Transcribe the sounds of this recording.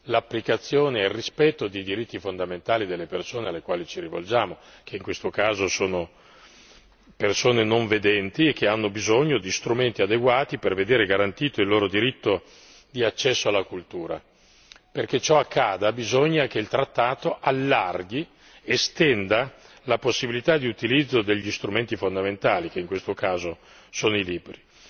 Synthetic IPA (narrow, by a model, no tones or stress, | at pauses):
lapːlikat̪sːjoːneːlrispɛt̪ːod̪id̪iɾit̪ːifond̪ament̪aːlid̪elːepersoːnealːekwaːlit͡ʃiɾivo̰ld͡ʒaːmokeiŋkwest̪okaːzosoːno | persoːnenoɱved̪ɛnt̪iekːeanːobizoɲːod̪ist̪ɾument̪iad̪eɡwaːt̪iperved̪eːɾeɡaɾant̪iːt̪oilːoːɾod̪iɾit̪ːo | d̪iat͡ʃːɛsːoalːakult̪uːɾa̰ | perket͡ʃɔakʰːaːd̪abizoɲːak̟eilt̪ɾat̪ːaːt̪oʔalːarɡi | est̪ɛnd̪a | laposːibilit̪ad̪iut̪ilid̪zːod̪eʎːist̪ɾument̪ifond̪ament̪aːlik̟eiŋkwest̪okaːzo | soːnoiliːbɾi